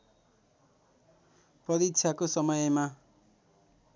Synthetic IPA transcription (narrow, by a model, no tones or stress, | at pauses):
pʌɾitt͡sʰakosʌmʌjma